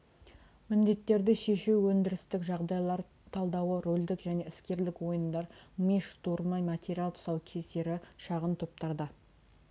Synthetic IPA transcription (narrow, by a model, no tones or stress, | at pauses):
mɪnd̪e̞t̪ːe̞ɾd̪ɪʃe̞ʃuwwɵnd̪ɪɾɪst̪ɪkʒɑʁd̪ɑjlˠɑɾ | t̪ʰɑlˠd̪ɑwəɾold̪ɪkʒæne̞ɪskʲe̞ɾlɪkwo̞jənd̪ɑɾmeʃt̪ʰuɾmɑjmat̪ʲeɾʲijalˠt̪ʰʊ̥sɑwkʲʰese̞ɾɪʃɑʁənt̪ʰop̚t̪ɑɾd̪ə